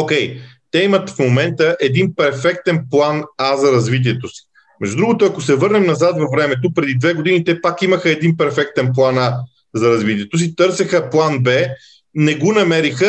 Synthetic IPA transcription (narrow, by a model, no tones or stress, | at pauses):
okʲɛjt̪ɛimɐt̪fmomɛnt̪əʔɛd̪inpɛɾfɛk̚t̪ɛnplˠanazɐɾɐzvit̪̬iɛt̪osi̥ | mɛʒd̪ud̪ɾuɡot̪oɐkosɛvɤɾnɛmnɐzat̪vɐvɾɛmɛt̪̬opɾɛd̪id̪vɛɡod̪init̪ɛpakiməxəɛd̪inpɛɾfɛk̚t̪ɛnplˠana | zɐɾɐzvit̪iɛt̪os̬it̪ɤɾsəxəplˠanbɛ | nɛɡonɐmɛɾixə